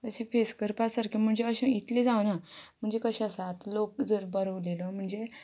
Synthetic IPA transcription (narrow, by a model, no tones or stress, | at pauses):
əɕifeskəɾpasaɾkim̤əɳd͡zeəɕãit̪led͡zaʋnam̤əɳd͡zekəɕasat̪lok̚d͡zəɾbəɾəʋlelɔm̤əɳd͡ze